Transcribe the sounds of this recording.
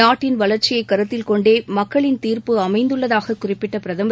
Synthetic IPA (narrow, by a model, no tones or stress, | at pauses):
aːʈːɪnʋɐɭɐɾt͡ʃɪjɐɪkːɐɾɯt̪ːɪlkɔɳɖeːmɐkːɐɭɪnt̪iːrpɯɐmɐɪnd̪ɯɭːɐðaːɣɐkʊrɪpːɪʈːɐpɪɾɐðɐmb